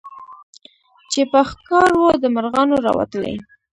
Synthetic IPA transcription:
t͡ʃepəxkɑɾwod̪əmaɾɣɑnoɾɑ̰wa̰t̪əlḛ

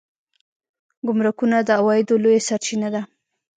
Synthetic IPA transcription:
ɡʊmɾʊkunad̪əawɑjɪd̪olojesaɾt͡ʃinad̪a

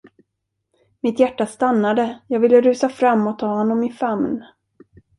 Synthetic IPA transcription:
mɪt̪jæʈːast̪anːad̪əjɑːɡvɪlːəɾʉ̟ːsafɾamːɔt̪ʰːɑːhɔnːɔmːɪnfamn

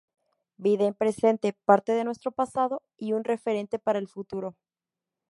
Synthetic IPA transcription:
biðaempɾe̞se̞nt̪e̞paɾt̪eðe̞nwest̪ɾo̞pasað̞o̞ | iunre̞fe̞ɾe̞nt̪e̞paɾaelfut̪uɾo̞

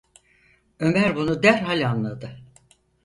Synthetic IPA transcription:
ø̞mæɾbunud̪æɾɦalʲanlˠad̪ɯ

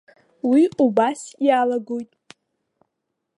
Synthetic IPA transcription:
wiubasjalaɡojtʼ

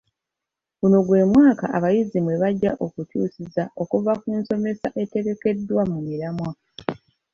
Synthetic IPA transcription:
ɣuno̞ɡwe̞ːmwaːka̰ʔaβajizimwe̞βaɟːaʔo̞kutṵːsizao̞kuvakuːnso̞me̞sa̰ʔe̞te̞ɣe̞ke̞dːwamumiɾamwa

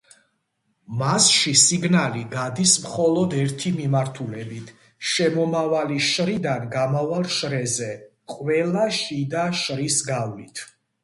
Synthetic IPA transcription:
masʃisiɡnaliɡad̪ismχɔlɔd̪ɛɾt̪ʰimimaɾt̪ʰulɛbit̪ʰ | ʃɛmɔmavaliʃɾid̪anɡamavalˠʃɾɛzɛ | qʼwɛlaʃid̪aʃɾisɡavlit̪ʰ

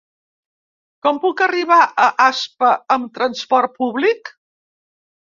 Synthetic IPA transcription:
kɔmpukəriβ̞aʔəʔaspəəmt̪ɾənspɔrt̪̚puβlik

